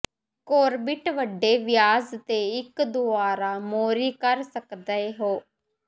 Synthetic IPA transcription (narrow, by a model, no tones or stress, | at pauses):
koːɾbɪʈʋəɖːeːʋɪjaːzt̪eːɪkd̪ʊaːɾaːmoːɾiːkəɾsəkd̪əeːɦoː